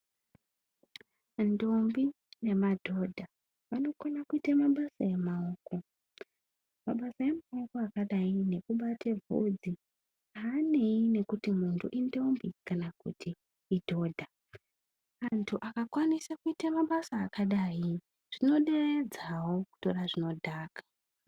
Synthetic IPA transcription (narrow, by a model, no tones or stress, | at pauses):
ndo̞mbi | ne̞madʱo̞dʱa | ʋano̞konakuitamaɓasaje̞mao̞ːko̞ | maɓasaje̞mao̞ko̞akaɗaine̞kuɓatʰevʱṵd͡zi | aːne̞ine̞kutimuntʰuʔindo̞mbikanakṵtiː | dʱo̞ːdʱa | antʰuʔakakwanisakuitamaɓasaːkaɗaji | ʐ̥ino̞ɗe̞red͡zawo̞ku̥to̞raʐino̞dʱaːkḁ